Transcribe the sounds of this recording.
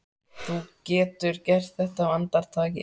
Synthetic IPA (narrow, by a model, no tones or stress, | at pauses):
θucɛːt̪ʏɾcɛr̥t̪θɛht̪aːwant̪aɾ̥t̪ʰaːcɪ